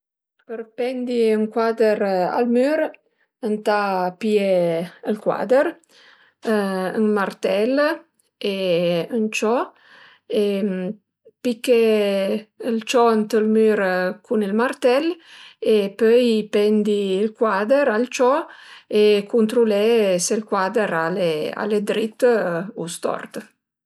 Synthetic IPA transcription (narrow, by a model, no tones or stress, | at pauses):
pəɾpɛnd̪iəŋkwad̪əɾa̰lmyɾ | ənt̪apieəlkwa̰d̪əɾ | əŋmart̪ɛl | eənt͡ʃɔ | em | pike | əlt͡ʃɔnt̪əlmyɾkʰunilmart̪ɛlepøjpɛnd̪iːlkwad̪əɾalt͡ʃɔekunt̪ɾulɛselkwad̪əɾalea̰led̪ɾit̪ːust̪ɔ̰rt̪